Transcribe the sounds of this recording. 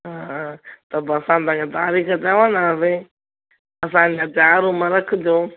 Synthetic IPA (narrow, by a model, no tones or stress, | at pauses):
ɦãːt̪əbəsãːt̪ãːẽːt̪aːɾiːkat͡ʃaːʋãːnaːseː | əs̬ãːnãːt̪aːɾoːmãːɾəkʰd̪joː